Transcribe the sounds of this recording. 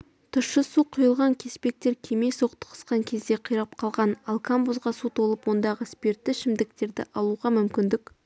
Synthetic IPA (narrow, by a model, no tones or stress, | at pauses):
t̪ʰʊʃːəsuqʰʊjəlˠʁɑŋkʲʰe̞spe̞k̚t̪e̞ɾkʲʰe̞meso̞qt̪ə̥qʰə̥sqɑŋkʲʰe̞zd̪e̞qʰəjɾɑp̚qʰɑlˠʁɑnɑlˠkʰambuzʁɑsut̪ʰo̞lˠəpwo̞nd̪ɑʁəspe̞ɾt̪ːɪʃɪmd̪ɪk̚t̪e̞ɾd̪ɪ̰ʔɑlˠuʁɑmʏmkʲɪnd̪ɪk